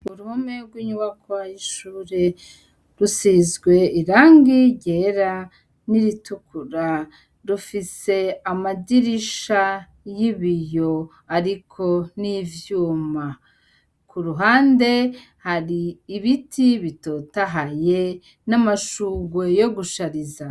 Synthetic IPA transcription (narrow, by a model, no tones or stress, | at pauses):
uɾuhome̞ɾɡwiɲuβakʰajiʃuːɾe̞ | ɾusiːzɡwe̞iɾaːŋɡiɟeɾa | niɾitukʰuɾa | ɾufise̞amadiɾiʃa | jiβijo̞ | aɾikʰo̞nivjuːma | kʰuɾuɦaːnde̞ | haɾiːβitiβitoːtaɦaje | namaʃuːɡwejo̞ɡuʃaɾiza